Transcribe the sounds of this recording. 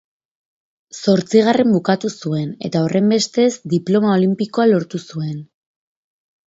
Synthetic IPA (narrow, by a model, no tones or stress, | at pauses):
so̞ɾt͡siɣ̞are̞mbukat̪usue̞ne̞t̪ao̞rʔe̞mbe̞st̪e̞zd̪iplo̞mao̞limpiko̞alo̞ɾt̪usue̞n